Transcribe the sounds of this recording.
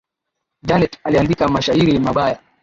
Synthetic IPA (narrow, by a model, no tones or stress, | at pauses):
d͡ʒanɛtaliandikamaʃahiɾimaɓaja